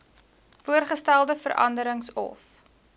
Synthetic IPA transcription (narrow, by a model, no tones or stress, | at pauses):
fuərχəstælˠdəfə̰ɾʔɐ̰ndəɾəŋsɔ̰f